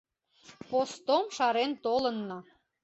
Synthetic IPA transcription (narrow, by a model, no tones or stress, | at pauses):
post̪omʃɑɾent̪olənːɤ